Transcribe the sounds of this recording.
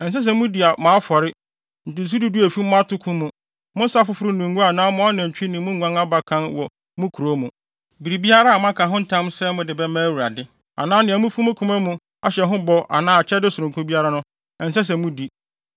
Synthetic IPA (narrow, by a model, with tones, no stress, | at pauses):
ɛ˨n̩˨s̬ɛ˦s̬ɛ˦mʊ̃˦di˨a˨mã˨˦fɔ˨ɾɪ˦ | n̩˨tɪ˨s̬u˦du˦du˦æ˨fi˦m̃˦a˦tʊ˦kʰũ˦mũ˨ | mʊ̃˦n˦sa˦fʊ˦fʊ˦ɾʊ˦nũ˨ŋɡũ˦a˨nãː˦mʊ̃˦a˦nɛ̃˨ɲᶣ˨˦i˦nĩ˨mũ˦ã˦ŋa˦ba˦kʰã˦nwɔ˨ | mũ˦kʰu˨ɾo˨˦mũ˨ | bi˨ɾi˨bi˦a˦ɾa˦a˨m˦ã˦kʰã˨ɦʊ̃˦n̩˦tʰã˦msɛ˦mʊ̃˨dɪ˨bɛ˦mãː˦˨wu˨ɾa˨dɪ˦ | a̰˨nãː˦nɪ̃˨æ˨mũ˦fu˦mʊ̃˦kʰʊ̃˦mɛ̃˦mũ˨ | a˨ɕɛ˨ɦʊ̃˦bɔ˦ʔa̰˨nãː˦a˨t͡ɕʰɛ˦dɪ˦sʊ˨ɾʊ̃˨ŋkʰʊ̃˦bi˦a˦ɾa˦nʊ̃˦ | ɛ˨n̩˨s̬ɛ˦s̬ɛ˨mũ˦di˨